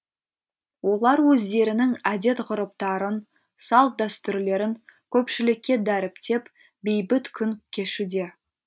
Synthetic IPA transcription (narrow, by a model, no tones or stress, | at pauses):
wo̞lˠɑɾwɵzd̪e̞ɾɪnɪŋæd̪e̞t̪ʁʊɾəp̚t̪ɑɾən | sɑl̚ˠd̪æst̪ʏɾle̞ɾɪŋkʲʰɵpʃɪlɪkʲːe̞d̪æɾɪpt̪e̞p | be̞jbɪt̪kʲʰʏŋkʲʰe̞ʃud̪e̞